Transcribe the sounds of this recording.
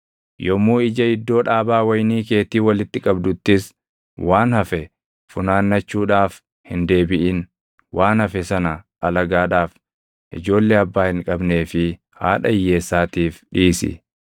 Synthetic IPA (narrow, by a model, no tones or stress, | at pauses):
jɔmːuːɪd͡ʒɐɪd̪ːo̞ːᶑaːbaːwɐjniːke̞ːt̪iːwɐlɪt̪ːɪkʼɐbd̪ʊt̪ːɪs | waːnhɐfɛ | fʊnaːnːɐt͡ʃːuːᶑaːf | hɪnd̪e̞ːbɪʔɪn | waːnhɐfɛsɐnɐʔɐlɐɡaːᶑaːf | ʔɪ̰d͡ʒo̞ːlːeːɐbːaːhɪŋkʼɐbne̞ːfɪ | ha̰ːᶑɐɪjːe̞ːsːaːt̪iːfᶑiːsɪ̰